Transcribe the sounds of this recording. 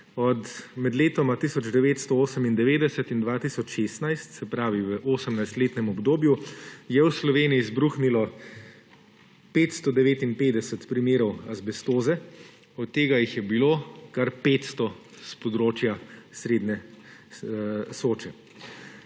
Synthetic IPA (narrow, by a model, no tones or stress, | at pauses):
ɔt̪mɛd̪leːt̪ɔmat̪isɔd͡ʒd̪ɛʋeːt̪st̪ɔoːsəmind̪ɛʋeːd̪ɛsɛt̪ind̪ʋaːt̪isɔt͡ʃʃeːst̪najst̪sɛpɾaːʋiʋəʔoːsəmnajst̪leːt̪nɛmɔbd̪oːbjujɛwslɔʋeːnijizbɾuːxnilɔ | peːt̪st̪ɔd̪ɛʋeːt̪inpeːd̪ɛsɛt̪pɾimeːɾɔwazbɛst̪oːzɛ | ɔt̪ːeːɡajixjɛbiloːkaɾpet̪st̪ɔ | spɔd̪ɾoːt͡ʃjasɾeːd̪nɛ | soːt͡ʃɛ